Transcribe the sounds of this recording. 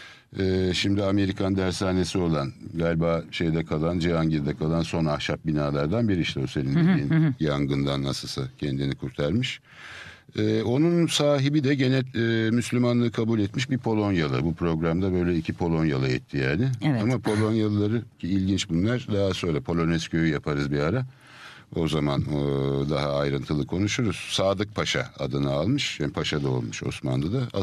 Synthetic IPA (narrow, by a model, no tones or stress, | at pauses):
ɛːʃimd̪iame̞ɾikʰand̪æɾsaːne̞sio̞lˠanɡaːlʲbaːʃe̞jd̪ɛkʰalˠand͡ʒeaŋɟid̪akʰalˠanso̞nahʃap̚binaːlˠaɾd̪anbiɾiiʃt̪ʰɛoselininjaŋɡɯnd̪anːa̰sɯlˠsacʰɛnd̪inikʰuɾt̪ʰaɾmɯʃ | ɛːo̞nunsaːɦibid̪ɛɟe̞nɛlɛmyslʲymanlˠɯːkʰabulʲɛt̪miʃbipʰo̞lˠo̞njalˠa̰bupʰɾo̞ɡɾamd̪abø̞jlʲɛicʰipʰo̞lˠo̞njalˠaɛ̰t̪ʰːijaːnɪamapʰo̞lˠo̞njalˠlˠaɾɯcʰiːlʲɟint͡ʃbunlˠaɾd̪aɦaso̞nɾapʰo̞lʲˠo̞nɛscʰøjyjapʰaɾɯzbiaɾa | o̞zamand̪aɦaːjɾɯnt̪ʰɯlˠɯkʰo̞nuʃuɾuz̥saːd̪ɯk̚pʰaʃa̰a̰d̪ɯnaalˠmɯʃjanpʰaʃad̪ao̰lˠmuʃo̞̰sma̰nd̪ad̪aa̰